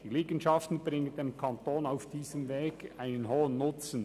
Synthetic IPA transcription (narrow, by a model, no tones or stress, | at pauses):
d̥iliːɡn̩ʃɑftn̩brɪŋəndemkʰɑntoːnaʊfd̥iːzəmveːɡaɪnənɦoːənːʊt͡sn̩